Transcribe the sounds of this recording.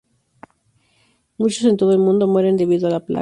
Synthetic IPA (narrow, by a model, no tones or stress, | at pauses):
mut͡ʃose̞nt̪o̞ð̞oe̞lmũnd̪o̞mwe̞ɾe̞nd̪e̞βiðoalapla̰